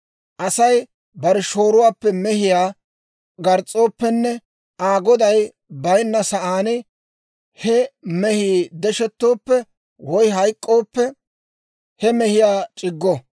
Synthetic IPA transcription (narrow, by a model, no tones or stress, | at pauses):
ʔɐsɐj | bɐɾɛʃoːɾʊwaːpːɛmɛhɪjaː | ɡɐɾt͡sʼːo̞ːpːɛnːɛ | aːɡɔd̪ɐj | bɐjnːɐsɐʔaːnɪ | hɛmɛhiːd̪ɛʃɛt̪ːo̞ːpːɛ | wɔjɦɐjkʼːo̞ːpːɛ | hɛmɛhɪjaːt͡ʃʼɪɡːɔ